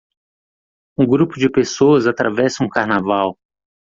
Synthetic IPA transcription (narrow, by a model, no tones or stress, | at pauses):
ũɡɾupʊd͡ʒɪpesoɐzat̪ɾavɛsɐ̃ũkaɾnavaw